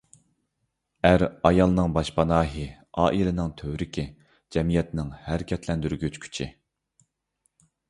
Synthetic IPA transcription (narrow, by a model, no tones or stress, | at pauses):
æɾɑjɑlˠnɨŋbɑʃpɑnɑːɦɨ | ɑːʔilɪnɪŋt̪ʰøwɾɪkʲʰɪ | d͡ʒɛmijɛt̪nɪŋhæɾɪkʲʰɛt̪ʰlɛnd̪yɾɡʲyt͡ʃkʲʰy̥t͡ʃʰɪ